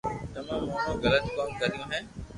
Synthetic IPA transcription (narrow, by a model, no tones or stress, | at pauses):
t̪ɐmãmõːnõɡɐlət̪kɔːmkɐɾijõːɦɛ̃ː